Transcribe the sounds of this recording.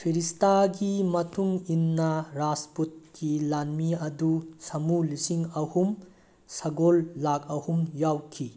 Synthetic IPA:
pʰiɾistaɡimɐtʰuŋinːɐɾasput̚kilanmiɐdusɐmulisiŋɐhum | sɐɡolːakɐhumjawkʰi

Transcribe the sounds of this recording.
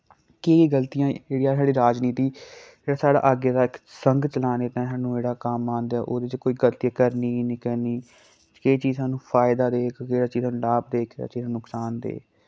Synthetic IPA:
keːiɡəlt̪ijãːeːɽijãːsaːɽiːɾaːd͡ʒniːt̪iː | eːɽaːsaːɽa̰ːʔəɡeːd̪aːɪksəŋɡt͡ʃəlaːneːt̪ɛ̃ːsãːnũːeːɽaːkaːmːãːnd̪jaːʔoːd̪eːt͡ʃkoːiːɡəlt̪ijãːkəɾniːniːkəɾniː | keːt͡ʃiːzãːnũːpʰaːɪd̪aːd̪eːkʰkeːɽaːt͡ʃiːzãːnũːlaːb̚d̪eːkʰːa̰ːt͡ʃiːzãːnʊksaːnd̪ḛː

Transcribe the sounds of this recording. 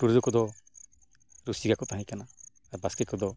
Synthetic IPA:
puɾd͡ʒɔkɔd̪ɔ | ɾusiɡakɔt̪aɦɛ̃kanaː | ɾbasket̚kɔd̪ɔ

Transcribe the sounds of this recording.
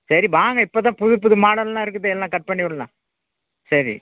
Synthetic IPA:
sɐɾibaːŋɡɐɪpːoːt̪ãːpʊðɯpːʊðɯmaːɽɐllãːɪɾɯk̬ːɯðːeɛlːãːkɐʈ̚pɐɳːɪɯɽɐlã̰ː | sɐɾḭ

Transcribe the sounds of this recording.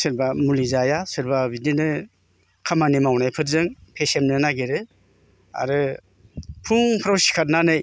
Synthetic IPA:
sɯɾbamulizajasɯɾbabidinɯ | kʰamanimawnajpʰɯtzɯŋpʰesemnɯnaɡeɾɯ | a̰ɾɯ | pʰuŋpʰɾawsi̥kʰat̚nanɯj

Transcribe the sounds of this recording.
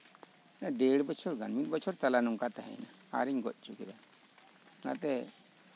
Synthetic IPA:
naɖeɽbət͡ʃʰɔɾɡanmit̪bɔt͡ʃʰɔɾt̪alanɔŋkat̪aɦɛ̰jna | a̰ɾiɲɡɔt̪̚ˀt͡ʃukɛd̪a | na̰t̪ɛ

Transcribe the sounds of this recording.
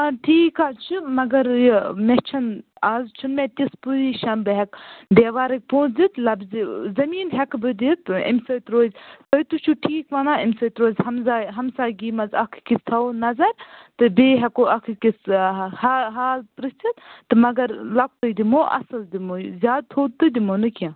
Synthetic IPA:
ɐʈʰiːkaːt͡ʃʰɨmɐɡɐɾjmet͡ʃʰɐnaːzt͡ʃʰunmet̪ʲispuziːʃɐnbɨɦɛkd̪eːʋaːɾɐk̚põːt͡sd̪it̪lɐbzzɐmiːnɦɛkbɨd̪it̪ḭmsɐjt̪ɾoːzʲt̪ɐt̪ut͡ʃʰuʈʰiːkʋɐnaːimsɐt̪ɾoːzʲhɐmzaːɦɐmsaːɡiːmɐzɐkʰkist̪ʰɐonɐzɐɾt̪ɨbeːɦɛkoɐkʰkishaɦaːlpɾɨst͡sit̪t̪ɨmɐɡɐɾlɐk̚ʰt̪ɨd̪imoːʔɐ̰sɨld̪imozʲjaːd̪̚t̪ʰoːd̪̚t̪ɨd̪imonɨkjãː

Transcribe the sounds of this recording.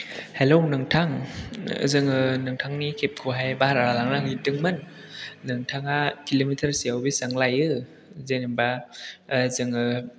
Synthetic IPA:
helownɯŋtʰaŋ | zɯŋɯnɯŋtʰaŋnikʰep̚kʰuɦajbahaɾaɾalaŋnaŋitɯŋmɯnː | ɯŋtʰaŋakilomitʰəɾsiawbisaŋlajɯ | zenɯmba | zɯŋɯ

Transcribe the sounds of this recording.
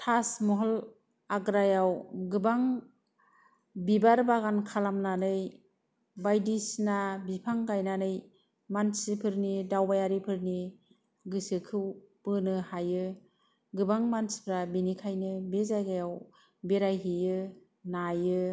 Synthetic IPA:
tʰasmɔɦɔl | aɡɾajawɡɯbaŋ | bibaɾbaɡankʰalamnanɯj | bajdisnabipʰaŋɡajnanɯj | mansipʰɯɾnidawbajaɾipʰɯɾni | ɡɯsɯkʰɯwpɯnɯhajɯ | ɡɯbaŋmansi̥pʰɾabinikʰajnɯbezajɡajaw | beɾajɦijɯ | najɯ

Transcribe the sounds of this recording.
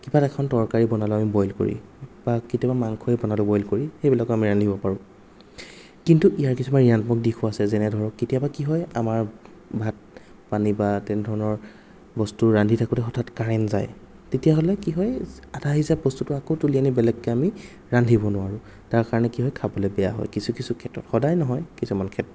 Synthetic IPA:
kibatɛkʰɔntɔɹkaɹibɔnalʊamibɔjlko̰ɹḭb̥akitiɔbamaŋkʰɔibɔnalʊbɔjlkoɹixejblakɔamiɹandʱibɔpaɹʊ̃ | kintuʔijaɹkisʰɔmaɹiantmɔk̚dikʰuasɛzɛnɛdʱɔɹɔkːetijabakiɦɔjamaɹ | bʱat̚ | panibatɛnɛdʱɔɹɔnɔɹ | bɔstuɹandʱitʰakutɛɔtʰatkaɹɛnza̰j | tetijaɦɔlɛkiɦɔjadʱaɦizabɔstutʊakowtulijanibɛlɛkːɛami | ɹandʱibɔnʊwaɹʊ | taɹkaɹɔnɛkiɦɔjkʰabɔlɛbɛja̰ɦɔ̰jkisukisukʰɛtːɔ̰txɔdajnɔɦɔjkisumankʰɛt

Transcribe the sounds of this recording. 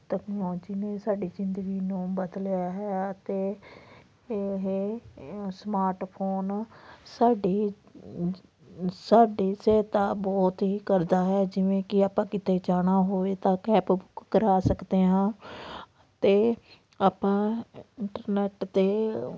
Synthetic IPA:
ʈɛːknːɔːd͡ʒiːneːsaːɖiːzɪnd̪əɡiːnũːbəd̪ljaːɦɛːt̪eː | ɦe | smaːɾʈpʰoːnsaːɖiː | saːɖiːseːt̪aːbɔːt̪ɦiːkəɾd̪aːɦɛːd͡ʒɪʋẽːkɪaːpãːkɪt̪eːd͡ʒaːɽaːɦoːeːt̪ãːkɛːpbʊkːəɾaːsəkd̪eːɦãː | ət̪eː | aːpãːɪɳʈəɾnɛːʈt̪eː

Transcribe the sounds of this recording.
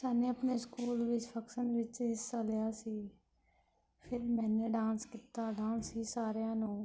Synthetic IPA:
saːnẽːəpneːskuːlʋɪt͡ʃpʰəksənʋɪt͡ʃɪsːaːlejaːsiː | pʰɪɾmɛ̃ːnẽːɖãːnskiːt̪aːɖãːnsiːsaːɾjãːnũː

